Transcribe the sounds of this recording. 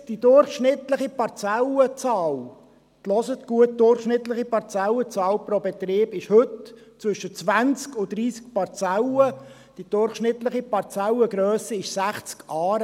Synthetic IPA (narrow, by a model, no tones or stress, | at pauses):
d̥id̥ʊrχʃnɪtləχipɑɾt͡sɛlət͡sɑːl | t̪lɔsət̪ɡ̥uət̚d̥̪ʊrχʃnɪt̪ləχipɑɾt͡sɛlət͡sɑːlpɾobɛt̪ɾɪːbɪʃhɵtt͡svʏʃət͡sʋænt͡skʊdɾiːsk̚pɑɾt͡sɛlə | d̥id̥ʊɾχʃnɪt̪ləχipɑɾt͡sɛləɡɾœːsiɪʃsæχt͡skɑːɾ